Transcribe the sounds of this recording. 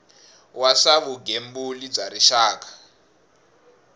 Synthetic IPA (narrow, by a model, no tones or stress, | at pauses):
wasaβuɡembulib͡ʐaɾiʃaːk̬ḁ